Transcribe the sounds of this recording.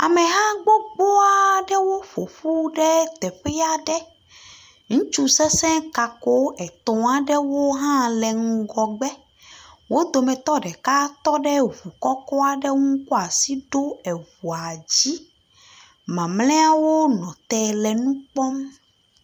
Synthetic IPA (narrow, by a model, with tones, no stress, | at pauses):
a˨mɛ̃˨ɦã˦ɡ͡bo˦ɡ͡bɔ˦a˨˦˨ɖɛ˦wo˦ɸo˨ɸu˦ɖɛ˦t̪ɛ˨ɸɛ˦a˦ɖɛ˦ | ŋũ˦t͡ʃu˦sɛ˦sɛ̃˦ka˨ko˦ɛ˨t̪ɔ̃˨a˦ɖɛ˦wo˦ɦã˦lɛ˨ŋ̩˦ɡɔ˨ɡ͡bɛ˦ | wo˦d̪o˨mɛ̃˨t̪ɔ˦ɖɛ˨ka˦t̪ɔ˦ɖɛ˦βu˨kɔ˦kɔ˦a˨ɖɛ˦ŋũ˦ko˦a˨si˦ɖo˦ɛ˨βu˨a˨d͡ʑi˦ | mã˨mlɛ̃˦a˦wo˦nɔ̃˨t̪ɛ˨lɛ˨nũ˦k͡pɔ˦m